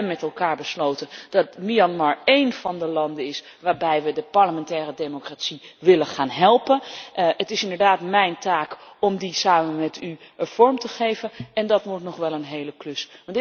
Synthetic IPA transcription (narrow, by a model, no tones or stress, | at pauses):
mːɛtɛlˠkaːɹbəslowtənd̥ɑtmiɑnmɑɹejnv̥ɑndəlɑndəɪs | ʋaːɹbɛjʋədəpɑɹləmɛntɛːrədejmokratsiʋɪlənχaːnɦɛlˠpənətɪsɪndəɹdaːtmɛjntaːkɔmdisaːmənmɛtyəv̥ɔɹmtəχejvənɛndɑtmutnɔχʋɛlˠənɦejləklɵsʋɑnt